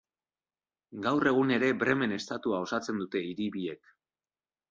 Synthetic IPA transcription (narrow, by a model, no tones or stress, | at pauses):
ɡawre̞ɣ̞une̞ɾe̞bɾe̞me̞ne̞st̪at̪uao̞sat͡se̞nd̪ut̪e̞iɾiβie̞k